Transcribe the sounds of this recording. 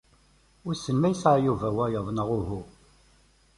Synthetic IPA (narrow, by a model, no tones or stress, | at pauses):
ʊɾsəmːæjsajuvæwæjəðˤnəʁʊɦu